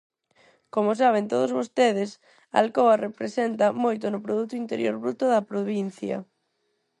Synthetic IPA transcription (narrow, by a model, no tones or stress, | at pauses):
komʊsaβ̞ent̪oð̞ʊzβost̪eð̞ɪs | a̰lkoɐrepɾesent̪ɐmojt̪ʊnʊpɾoðut̪ʊint̪eɾjo̰ɾβɾut̪ʊðɐpɾoβin̟θjɐ̰